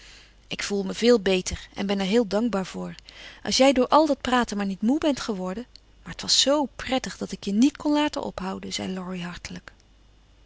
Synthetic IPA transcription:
ʔɪkfulˠməvɪːlˠbejtəɹɛ̰nbɛnɛɹɦɪːlˠdɑŋɡbaːɹv̥ʊːɹʔɑ̰lˠsjɛjdʊːɹʔɑlˠdɑt̚praːtənmaːɹnitmubɛntχəʋɔɹdən | maːɹɦətʋɑsːowprɛtəχdɑtɪkjənitkɔnlaːtə̰nʔɔ̰pɦʌwdənz̥ɛ̰jlɔɹiɦɑɹtələk

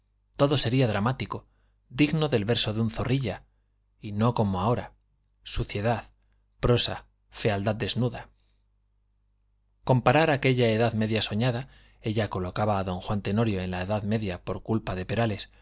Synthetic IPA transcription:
t̪o̞ðo̞se̞ɾiaðɾamat̪iko̞ | d̪iɣno̞ðe̞lβe̞ɾso̞ðunθo̞riʎa | ino̞ko̞moao̞ɾa | suθje̞ðað | pɾo̞sa | fe̞ald̪aðd̪e̞znuða | ko̞mpaɾaɾake̞ʎae̞ðaðme̞ðjaso̞ɲaða | e̞ʎako̞lo̞kaβaːðo̞ŋxwant̪e̞no̞ɾjo̞e̞nlaeðaðme̞ðjapo̞ɾkulpaðe̞pe̞ɾale̞s

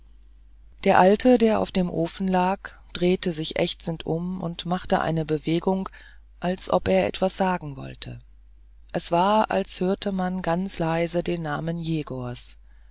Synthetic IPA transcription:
d̥eːɐʔaltʰədeːɐʔa̰ʊfd̥eːmʔoːfn̩laːkd̥ʁeːtəzɪçʔɛ̰çt͡sn̩tʰʔʊmʊ̰ntmaχtəʔa̰ɪnəbəveːɡʊŋ | ʔalsʔɔpʔeːɐʔɛ̰tv̥asz̥aːɡŋ̩vɔ̰ltʰə̰ | ʔɛsv̥aːɐʔa̰lshøːɐtʰəmanɡant͡slaɪzədeːnːaːmənjeːɡoɐs

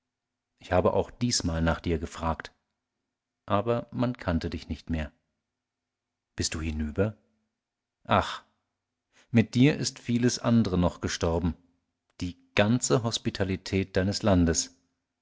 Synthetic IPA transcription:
ʔɪçhaːbəʔa̰ʊxd̥iːsmaːlnaːχd̥iːɐɡəfʁ̥aːkt | ʔaːbɐmankʰantədɪçnɪçtmeːɐ | b̥ɪstd̥uːhɪnyːbɐ | ʔaχ | mɪt̚d̥iːɐʔɪstfiːləsʔandəʁənɔχɡ̥əʃtɔɐbm̩ | d̥iː | ɡ̥ant͡səɦɔspitʰalitʰɛːt̚d̥aɪnəslandəs

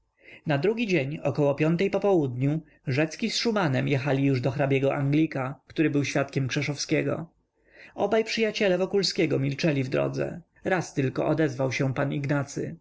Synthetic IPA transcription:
nad̪ɾuɡʲid͡ʑeɲɔkɔwɔpʲjɔnt̪ɛjpɔpɔwud̪ɲu | ʐɛt̪skʲisʂumanɛmjɛxalʲijuʐd̪ɔxɾabʲjɛɡɔʔaŋɡlʲikakt̪uɾɘbɘwɕfʲat̪kʲɛmkʂɛʂɔfskʲɛɡɔ̰ | ɔbajpʂɘjat͡ɕɛlɛvɔkulskʲɛɡɔmʲilt͡ʂɛlʲivd̪ɾɔ̰d̪zɛ̰ | ɾast̪ɘlkɔ̰ʔɔd̪ɛzvawɕɛpaniɡnat̪sɘ̰

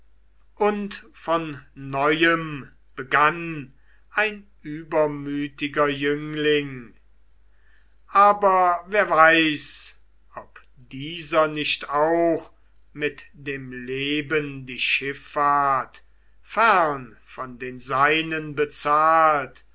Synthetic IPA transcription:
ʔʊntfɔnːɔʏəm | b̥əɡan | ʔaɪnʔyːbɐmyːtɪɡɐjʏŋlɪŋ | ʔaːbɐveːɐvaɪs | ʔɔp | d̥iːzɐnɪʃtaʊx | mɪtd̥eːmleːbəndiːʃɪfaɐt | fæʁn | fɔndeːnzaɪnənbət͡saːlt

